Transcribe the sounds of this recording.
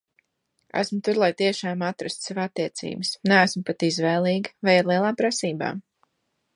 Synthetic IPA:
æ̰smʊt̪uɾlˠajt̪iɛʃaːmat̪ɾast̪savat̪ːiɛt̪sḭːbəsnææsmʊpat̪izvɛːlˠiːɡvajaɾlˠiɛlˠaːpɾasiːba̰ː

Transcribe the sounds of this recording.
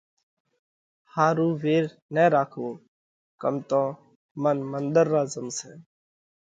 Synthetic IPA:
haːɾuːʋeːɾ | nɛːɾaːkʰʋoː | kəmt̪õː | mənmənd̪əɾːaːzəmsɛː

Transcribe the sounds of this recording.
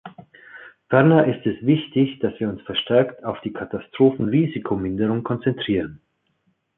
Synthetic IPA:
fɛʁnɐʔɪstɛsv̥ɪçtɪçd̥asv̥iːɐʊnsfɛɐʃtɛɐktʰaʊfd̥iːkʰatastʁ̥oːfn̩ʁiːzikʰomɪndəʁʊŋkʰɔnt͡sɛntʁ̥iːʁən

